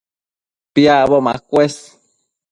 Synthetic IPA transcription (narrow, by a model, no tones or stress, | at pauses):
piaʔβomakʷes